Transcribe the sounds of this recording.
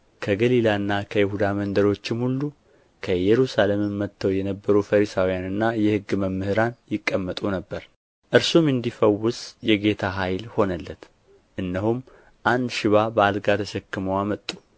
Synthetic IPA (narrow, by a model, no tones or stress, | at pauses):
kʰəɡəlilaɨnːakʰəjɪhud̪amənd̪əɾo̞t͡ʃːɪmhulːu | kʰəjɛɾusalemɨnmət̪ʰːəwjɛnəbːəɾufəɾisawijanɨnːajɛhɨɡːɨməmːɨhɨɾanjɪkʼːəmːət̪ʼunəbːəɾ | ʔɨɾsumɨnd̪ifəwːʊsjɛɡe̞t̪ʰaɦajlho̞nəlːət̪ | ʔɨnːəɦum | ʔand̪ʃɪβabəalɡat̪ʰəʃɛkːɨməwamət̪ʼːu